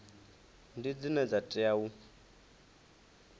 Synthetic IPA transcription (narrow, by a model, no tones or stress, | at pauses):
ndid͡zinɛd͡zatʼɛau